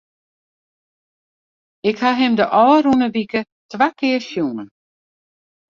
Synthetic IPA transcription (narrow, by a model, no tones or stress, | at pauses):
ɪkhaɦɪmdəʔɔːərunəʋikə | tʋakɪəsjunən